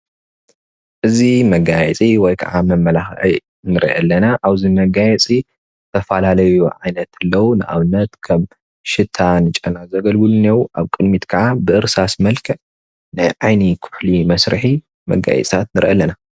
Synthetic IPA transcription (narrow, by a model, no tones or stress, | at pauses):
ʔɨzimɐɡajɛt͡sʼiwɔjkʰɐ̰ʕamɐmːɐlaxʔi | nɨɾ̰ʔɐ̰lːɐnaʔaβzimɐɡajɛt͡sʼi | t̪ʰɐfalalɐjuʕajnɐt̪ʰɨlːɐwunɨʔa̰βɨnːɐt̪kʰɐm | ʃɨt̪ʰːanɨt͡ʃʼɐnazɐɡɐlɡɨlunewuʔaβkʼɨd̪mit̪kʰɐʕabɨʔɨɾsasmɐlkʰɐ | nɨjʕajnikʰʊ̥ħlimɐsɾɨħi | mɐ̰ɡa̰jɛ̰t͡s̪ʼʰat̪nɨɾʔɐlːɐna